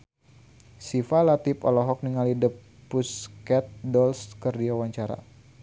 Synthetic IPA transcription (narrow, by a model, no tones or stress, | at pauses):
sifalat̪ipɔlɔɦɔk̚niŋalidəpː | uskɛt̪̚dɔlskərdiawaɲt͡ʃaɾa̰